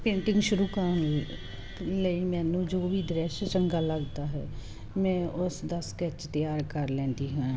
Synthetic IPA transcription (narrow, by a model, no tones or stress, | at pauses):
pẽːɳʈɪ̃ŋɡʃʊɾuːkəɾon | ləiːmɛ̃ːnũːd͡ʒoːʋiːd̪ɾɛst͡ʃəŋɡaːləɡd̪aːɦɛ̰ː | mɛ̃ːʔʊsd̪əskɛt͡ʃt̪əjaːɾkəɾlɛ̃ːnd̪iːɦʊã